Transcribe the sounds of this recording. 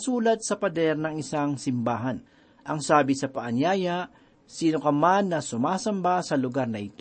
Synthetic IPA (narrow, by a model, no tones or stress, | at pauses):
suːlɐd̪̚sɐpɐd̪ɛɾnɐŋɪsaŋsɪmbaːɦɐn | ʔɐŋsaːbɪsɐpɐʔɐnjaːjaʔ | siːnokɐmanːɐsʊmaːsɐmbasɐlʊɡaɾnɐʔɪt̪o